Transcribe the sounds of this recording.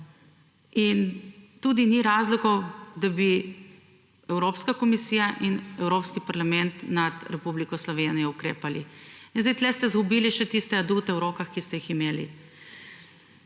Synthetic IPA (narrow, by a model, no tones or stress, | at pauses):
int̪uːd̪iniɾaːzlɔkɔwd̪abi | ɛwɾoːpskakɔmisiːjaʔinɛwɾoːpskipaɾlamɛnt̪nat̪ɾɛpublikɔslɔʋeːnijɔukɾḛːpaliinzd̪ɛjt̪lɛst̪ɛzɡubiːliʃɛt̪ist̪ɛad̪ut̪ɛwɾoːkaxkist̪ɛjiximeːlḭ